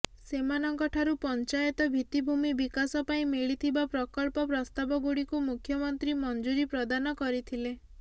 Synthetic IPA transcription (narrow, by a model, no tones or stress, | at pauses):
semanɔŋkɔʈʰaɾupɔnt͡ʃajɔt̪ɔbʱit̪ibʱumibikasɔpaĩmiɭit̪ʰibapɾɔkɔɭpɔpɾɔst̪abɔɡuɽikumukʰjɔmɔnt̪ɾimɔnd͡ʒuɾipɾɔd̪anɔkɔɾit̪ʰile